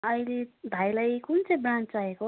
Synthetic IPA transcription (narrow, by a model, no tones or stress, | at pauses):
ʌjleb̪ʱajlajkunt͡sʌj̃brãnt͡saeko